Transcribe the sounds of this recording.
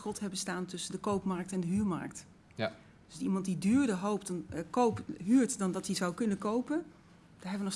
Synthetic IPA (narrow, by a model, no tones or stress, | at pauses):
χɔtɦɛbəstaːntɵsəndəkowpmɑɹk̚tɛndəɦyːɹmɑ̰ɹk̚t | d̥ɵsimɑntdidyːɹdəɦowp̚tnkowpɦyːɹtdɑndɑtdizɑwkɵnəkowpən | d̥aɹɦɛbʋənɔχ